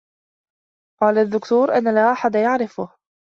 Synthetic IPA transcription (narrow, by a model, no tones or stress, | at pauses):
qɑːlad̪ːʊkt̪uːɾʔanːalaːʔaħad̪ajaʕɾɪfʊh